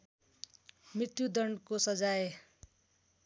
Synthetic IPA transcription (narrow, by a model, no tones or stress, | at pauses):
mit̪jud̪ʌɳkosʌd͡zaj